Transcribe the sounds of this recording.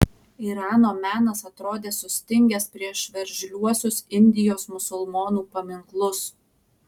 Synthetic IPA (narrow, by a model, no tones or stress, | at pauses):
iɾɑːnoːmʲæːnɐsɐt̪ɾoːd̪ʲeːsʊsʲt̪ʲɪŋʲɡʲɛspʲɾʲiɛʃʋʲɛɾʲʒʲlʲuɔsʲʊsɪnʲd̪ʲɪjoːsmʊsʊlˠmoːnuːpɐmʲɪŋklˠʊs